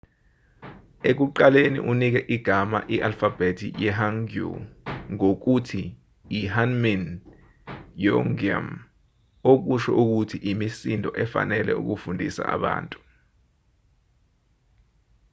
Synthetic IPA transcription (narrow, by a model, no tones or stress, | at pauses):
ek̬uǃalenḭʔunik̬ɛʔiɡ̥ʱama̰ʔiʔalfab̥etʰijɛɦaŋɡṵŋok̬utʰiː | ɦanmin | jɔŋɡia̰m | ok̬uʃɔ̰ʔuk̬utʰiʔimisindʱɔʔɛfa̰nɛlɛ̰ṵk̬ufundʱḭsa̰a̰ɓa̰ːntʼu